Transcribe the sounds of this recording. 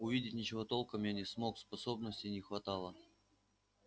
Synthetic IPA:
ʊvʲidʲɪtʲnʲɪt͡ɕɪvo̞t̪o̞lˠkəmjanʲɪsmo̞kspɐso̞bnəsʲtʲɪnʲɪxvɐt̪ɑlˠə

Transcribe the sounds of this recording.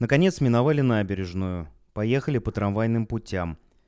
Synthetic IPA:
nəkɐnʲe̞t̪smʲɪnɐvalʲɪnabʲɪɾʲɪʐnujʊ | pɐje̞xəlʲɪpət̪ɾɐnvajn̪ɨmpʊtʲam

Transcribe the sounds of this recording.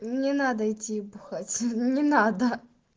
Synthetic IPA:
nʲɪnad̪əɪtʲːiːbʊxatʲnʲɪnad̪ə

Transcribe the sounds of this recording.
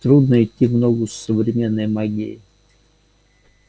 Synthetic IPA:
t̪ɾud̪nəɪt̪ʲːimnoɡʊsːəvɾʲɪmʲenːəjmaɡʲḛjɪ

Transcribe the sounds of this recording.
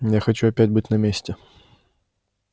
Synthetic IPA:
jaxɐt͡ɕuɐpʲætʲbɨtʲnɐmʲesʲtʲɪ

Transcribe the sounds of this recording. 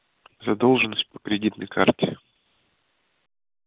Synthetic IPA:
zɐd̪o̞lˠʐɨnːəsʲt̚ʲpə̥kɾʲɪdʲit̪nə̰jkʰa̰rtʲɪ

